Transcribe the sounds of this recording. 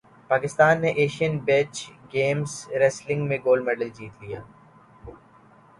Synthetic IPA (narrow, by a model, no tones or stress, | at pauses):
paːkɪst̪aːnːeʔeːʃiənbet͡ʃɡeːmsɾɛslɪ̃ŋɡmẽɡoːlɖmɛːɖəld͡ʒiːt̪lijaː